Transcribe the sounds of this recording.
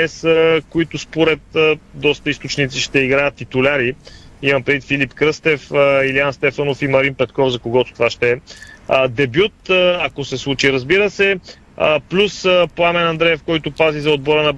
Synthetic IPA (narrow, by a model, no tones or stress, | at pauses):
ɛsəkoit̪ʊspoɾɛt̪̚əd̪ɔst̪əist̪ot͡ʃnit̪siʃt̪ɛiɡɾajət̪ːit̪ʊlʲaɾi | imɐmpɾɛd̪it̪filipkɾɤst̪ɛfəilianst̪ɛfənofimɐɾinpɛt̪kɔfzɐkoɡɔt̪o̥t̪ovaʃt̪ɛəd̪ɛbjut̪akosɛslˠut͡ʃiɾəzbiɾəsɛ | əplʲusəpoamɛnɐnd̪ɾɛjɛfkɔjt̪ʊpazizɐod̪̚bɔɾənɐ